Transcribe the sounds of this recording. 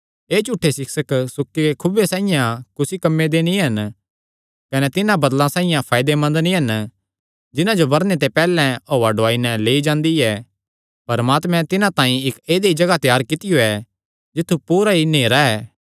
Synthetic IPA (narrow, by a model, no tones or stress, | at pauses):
eːt͡ʃuːʈʰːesɪksəksʊkːikekʰʊbesãːɪjãkʊsikɐmːed̪enĩɦɐn | kɐnet̪ɪnãbɐd̪lãsaːɪ̃jãpʰaːɪd̪emɐ̃nd̪nĩɦɐn | d͡ʒɪnãd͡ʒobɐɾnet̪̬epɛːlɛ̃oːaɖʊaːinɛ̃leːid͡ʒãːnd̪iɛː | pɐɾəmaːt̪mɛ̃t̪ɪnãt̪ãːĩɪkeːd̪eid͡ʒɐɡat̪ɛjaːɾkɪt̪ɪjoɛ | d͡ʒɪt̪ʰːupuːɾaɦineːɾaɛː